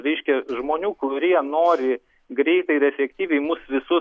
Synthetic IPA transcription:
ɾʲɛɪʃʲkʲɛʒmoːnʲuːkʊɾʲiɛnoːɾʲɪ | ɡɾʲɛɪt̪ɐɪɾɛfʲɛkt̪ʲiːʋʲɛɪmʊsʋʲɪsʊ

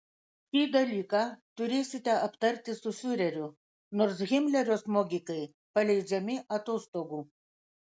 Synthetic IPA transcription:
kʲid̪ɐlʲiːkɑt̪ʲʊɾʲeːsʲɪt̪ʲɛɐpt̪ɐɾʲt̪ʲɪsʊfʲyɾʲɛɾʲʊ | noɾsɣʲɪmʲlʲɛɾʲosmoɡʲikɐj | pɐlʲɛjd͡ʒʲɛmʲɪʔɐt̪ost̪oɡu

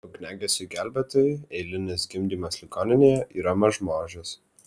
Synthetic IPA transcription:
ʊɡʲnʲæːɡʲɛsʲʊɡʲæˑlʲbʲɛt̪oːjɪɛɪlʲɪnʲɪsɡʲɪmʲd̪ʲiːmɐslʲɪkoːnʲɪnʲeːjɛʔiːɾɐmɐʒmoːʒʲɪs

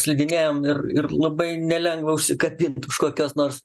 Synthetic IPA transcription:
sʲlʲɪd̪ʲɪnʲeːjoːmɪrɪ̰rlˠɐbɐɪnʲɛlʲɛŋɡʋɐʊʃʲsʲɪkɐbʲɪnt̪ʊʃkoːkʲoːsnoːrs

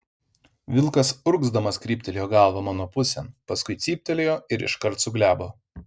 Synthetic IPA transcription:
ʋʲɪlˠkɐsʊɾɡzd̪ɐmɐskɾʲiːpʲt̪ʲɛlʲeːjoːɡɑˑlˠʋɐːmɑːnoːpʊsʲɛnpɐskʊɪt̪sʲiːpʲt̪ʲɛlʲeːjoːɪɾɪ̰ʃkɐɾt̪sʊɡlʲæːboː

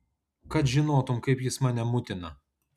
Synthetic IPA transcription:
kɐt̪ʒʲɪnoːt̪ʊmkɐɪpjɪsmɑːnʲɛmʊt̪ʲɪnɐ

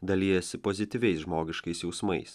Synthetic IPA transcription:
d̪ɐlʲijɛsʲɪpɔzʲɪt̪ʲiʋʲɛɪsʒmoːɡʲɪʃkɐɪsjɛʊsmɐɪs

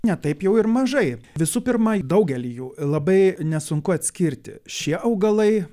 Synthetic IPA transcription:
nʲɛt̪ɐɪpjɛʊɪɾmɐʒɐɪʋʲɪsuːpʲɪɾmɐd̪ɐʊɡʲɛlʲijuːlˠɐbɐɪnʲɛsʊŋkʊɐt̪ʲsʲkʲɪɾʲt̪ʲɪ̰ʃʲiɛʔɐʊɡɐlˠɐɪ

